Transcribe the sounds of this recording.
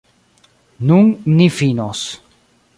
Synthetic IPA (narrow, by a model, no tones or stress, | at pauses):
nuŋnifinos